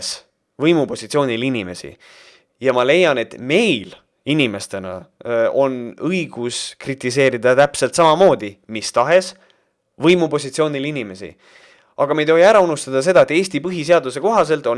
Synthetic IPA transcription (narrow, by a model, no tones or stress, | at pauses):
s | vɤjmupo̞sit̪sio̞ːnʲilinime̞sḭ | jɑmɑle̞jːɑne̞t̪me̞jl | inime̞st̪e̞nɑ̰o̞nɤjɡ̥uskrit̪ːˑis̬e̞ːɾid̪̥ɑt̪æpse̞lt̪sɑmɑmo̞ːd̪̥imist̪ɑɦe̞s | vɤjmupo̞sʲit̪sio̞ːnilinʲime̞sḭ | ɑɡ̥ɑmejt̪o̞ɦiæɾɑunust̪ɑd̪̥ɑs̬e̞d̪ɑet̪ːˑe̞ːsʲt̪ipɤɦis̬e̞ɑd̪use̞ko̞ɦɑse̞lt̪ːˑo̞n